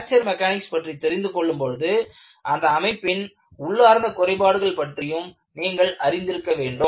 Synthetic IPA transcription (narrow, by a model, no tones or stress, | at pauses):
t͡ʃːɐɾmɛkaːnɪkspɐʈrit̪ːɛɾɪnd̪ɯkɔɭːɯmpɔɻɯðɯ | ʔɐnd̪ɐːmɐɪpːɪn | ʊɭːaːɾnd̪ɐkʊɾɐɪpaːɽɯɣɐɭpɐʈrɪjɯm | niːŋɡɐɭɐɾɪnd̪ɪɾɯkːɐʋeːɳɖɯ